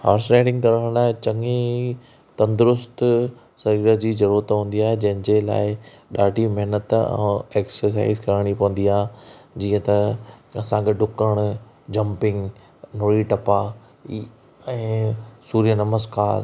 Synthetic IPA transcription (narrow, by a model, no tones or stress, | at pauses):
ha̰ːɾsɾeːɖɪ̃ŋɡkɐɾəɽ̃laːɦɪt͡ɕɐ̃ŋi | t̪ɐ̃nd̪ʊɾʊst̪ | sɐɾiːɾəd͡ʑiːzɐɾuːɾət̪ɦũːn̆d̪iaːɦed͡ʑɐ̃ɦɪ̃ɲd͡ʑela̰ːɪ | ɗaːɖimɐɦnət̪ɛ̰̃eːksəɾs̬a̰ːɪzkɐɾəɽ̃ipɐʋə̃nd̪iaːɦd͡ʑiːə̃t̪ɐɐsãɡeɖʊkəɽ̃ | d͡ʑɐ̃mpɪ̃ŋɡ | noːɭiʈɐpa | ɛ̃ːsuːɾijənɐməskaːɾ